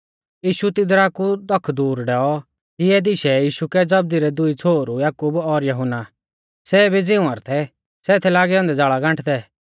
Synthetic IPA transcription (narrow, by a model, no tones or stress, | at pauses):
jiːʃut̪ɪd̪ɾakud̪ɔkʰːd̪uːɾɖɛːɔ | kiɛd̪ɪʃɛjiːʃukɛd͡zɐb̚d̪iɾɛd̪ʊit͡sʰoːɾujaːkubɔɾjɐɦʊna | sɛːbʱid͡zɪũaːɾt̪ʰɛ | sɛːt̪ʰɛlaːɡɛɔ̃nd̪ɛd͡zaːɭaɡãɳʈʰd̪ɛ